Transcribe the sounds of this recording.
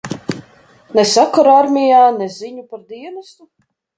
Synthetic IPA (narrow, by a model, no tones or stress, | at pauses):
nɛsakaɾaɾmʲijaːnɛziɲupaɾd̪iɛnɐst̪u